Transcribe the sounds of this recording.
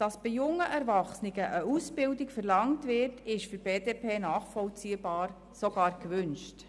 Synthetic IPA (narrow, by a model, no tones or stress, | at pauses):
d̥ɑsb̥ɪjʊŋːəʔɛɾvɑχsniɡəʔəusbɪldikfərlɑŋtʋɪɾtʰɪʃfyɾb̥eːdeːpʰeːnɑːχfɔlt͡siːəbɑːɾ | soɡ̥ɑːɾkʋʏnʃt